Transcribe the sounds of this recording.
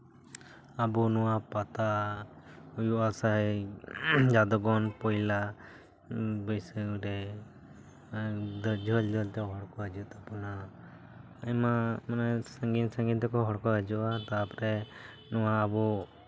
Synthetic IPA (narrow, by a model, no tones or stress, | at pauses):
abɔnuwapat̪a | ujuʔasaɦɛ | d͡ʒad̪ɔɡɔnpɔjla | bəjsəɾɛ | d̪ɔd͡ʒʱɔld͡ʒʱɔlt̪ɛɦɔɽkɔɦəd͡ʒut̪apɔna | ɛmamanɛsəŋɡinsə̃ŋɡint̪ɛkɔɦɔɽkɔəd͡ʒuʔat̪apɔɾɛ | nuwaːbɔ